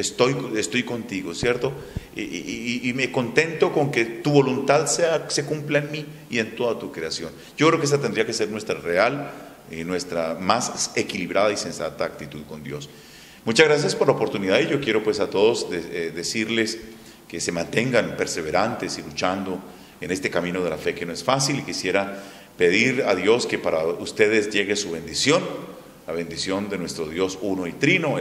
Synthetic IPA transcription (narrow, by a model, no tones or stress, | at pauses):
est̪ojest̪o̞jko̞nt̪iɣo̞sje̞ɾt̪o̞ | iime̞ko̞nt̪e̞nt̪o̞ko̞ŋke̞t̪uβo̞lunt̪aðsease̞kumplaenmi | ient̪o̞ðat̪ukɾe̞asjo̞n | ɟ͡ʝokɾe̞okees̬at̪end̪ɾiakese̞ɾnwe̞st̪ɾareal | inwe̞st̪ɾamasse̞kiliβɾaðaise̞nsa̰t̪aːk̚t̪it̪uðko̞nd̪jo̞̰s | mut͡ʃazɣɾas̬jaspo̞ɾlaopo̞ɾt̪uniðaðiʝo̞kje̞ɾo̞pwe̞sat̪o̞ðozdeðe̞siɾle̞s | ke̞se̞mãnt̪e̞ŋɡanpe̞ɾse̞βe̞ɾant̪e̞silut͡ʃand̪o̞ | ene̞st̪e̞kamĩno̞ð̞e̞lafe̞kenoe̞sfasilikisje̞ɾa | pe̞ð̞iɾaðjo̞ske̞paɾaust̪e̞ðe̞zʝe̞ɣesuβe̞nd̪isjo̞n | laβe̞nd̪isjo̞nd̪e̞nwe̞st̪ɾo̞ðjo̞suno̞it̪ɾino̞